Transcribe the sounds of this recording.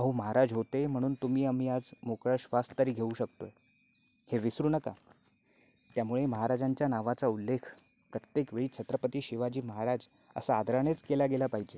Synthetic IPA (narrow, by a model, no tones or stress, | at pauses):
əɦuməɦaɾad͡zɦot̪em̤əɽ̃uːnt̪umiːamiːad͡zmokɭəɕʋast̪əɾiːɡʱeuːɕəkt̪oe | heʋisɾuːnəka̰ | t̪jamuɭeməɦaɾad͡zaɲt͡ɕjanaʋat͡saulːekʰ | pɾət̪jekʋeɭiːt͡ɕʰət̪ɾəpət̪iːɕiʋad͡ʑiːməɦaɾad͡z | ə̰saːd̪ʱɾaɽ̃et͡skelaɡelapaɦid͡ʑe